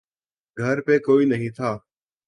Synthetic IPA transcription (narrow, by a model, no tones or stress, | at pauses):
ɡʱəɾpẽːkoːiːnəɦĩːt̪ʰaː